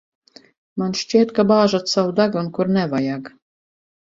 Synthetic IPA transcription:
manʃt͡ʃiɛt̪kabaːʒat̪sawd̪aɡunkuɾnɛvajaɡ

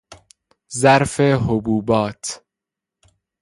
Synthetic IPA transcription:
zæɾfeɦobuːbɒːt̪ʰ

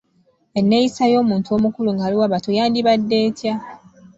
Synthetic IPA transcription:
e̞nːe̞jisajo̞ːmuːntuo̞ːmukuluŋɡaːliwaβatojaːndiβadːe̞ːtja

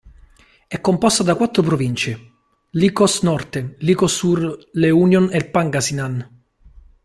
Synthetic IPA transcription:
ɛkːompɔst̪ad̪akwat̪ːɾop̬ɾovint͡ʃe | likɔsnɔrt̪elikosːurleunjonelpaŋɡasinan

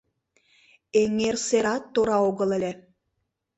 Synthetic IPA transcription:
eŋerseɾɑt̪ːoɾɑoɣɤ̆lˠĕlʲe

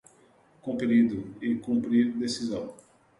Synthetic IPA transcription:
kũmpɾid̪ʊɪkũmpɾiɾd̪esizɐ̃w̃

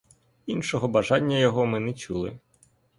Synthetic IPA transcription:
inʃɔɦɔbɐʒɑnʲːɐjɔɦɔmɪnɛt͡ʃulˠɪ̰

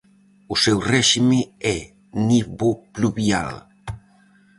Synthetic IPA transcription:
usɛwrɛʃimeɛ | niβopluβia̰l

